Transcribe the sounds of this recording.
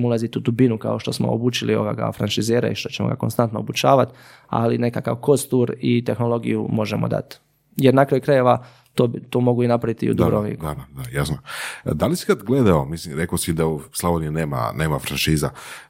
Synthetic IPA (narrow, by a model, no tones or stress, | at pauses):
ulˠazit̪ud̪ubinuka̰o̞ʃt̪o̞smo̰obut͡ʃilioɡaɡa̰fɾanʃizeːɾa̰iʃt̪o̞t͡ɕemoɡa̰ko̞nst̪ant̪noobut͡ɕaːʋat̪ | a̰line̞kaka̰ʋko̞st̪uɾit̪e̞xno̞lˠo̞ɡijumo̞ʒemod̪a̰t̪ | jeɾnakɾajukɾaje̞ʋa | t̪oːt̪oːmo̞ɡuinapɾaʋit̪iṵd̪ubɾoḭd̪ad̪ajasnod̪alisi̥kad̪ɡled̪aomislimɾekosid̪auslˠabonuneːma̰neːmafɾanʃiːza